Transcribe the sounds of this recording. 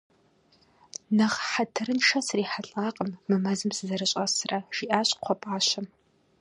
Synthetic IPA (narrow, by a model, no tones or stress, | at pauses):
nɐʁħatʰɨrɨnʂɐsriːħaɬʼaːqʼəmːɨmɐzɨmsɨzɐɾɨɕʼɐsrɐʒ̥iʔaːɕʼqʷʰɔpʼaːɕɐm